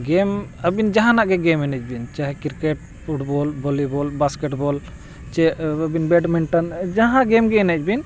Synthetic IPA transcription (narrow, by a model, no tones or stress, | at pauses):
ɡɛməbind͡ʒaɦãnaʔɡɛɡɛmɛnɛt͡ʃ̚bint͡ʃaɦɛkiɾkɛʈ̚ | pʰuʈbɔlbɔlibɔlbaskɛʈbɔl | t͡ʃɛəbinbɛɖmiɳʈənd͡ʒaɦãɡɛmɡɛːnɛt͡ʃbin